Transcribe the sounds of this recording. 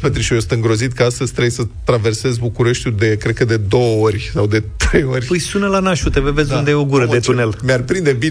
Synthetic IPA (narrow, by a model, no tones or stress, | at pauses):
pet̪ɾiʃijosɨ̥t̪ɨŋɡɾo̞zit̪kəast̪əzʲt̪ɾejsət̪ɾave̞rse̞zbukuɾe̞ʃt̪ʲud̪e̞kɾe̞t̪̚kəd̪e̞d̪o̞wəorʲsawd̪e̞t̪ɾejo̞rʲpujsunəlanaʃut̪evəve̞zund̪ejeoɡuɾəd̪e̞t̪une̞lmearpɾind̪ebi